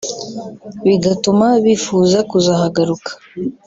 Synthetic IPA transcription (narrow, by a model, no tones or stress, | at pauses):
βiɡatumaβifuːzakuzaɦaɡaɾukḁ